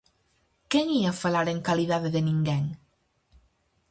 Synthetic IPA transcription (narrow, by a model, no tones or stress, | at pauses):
keŋiafalaɾeŋkaliðaðeðenĩŋɡeŋ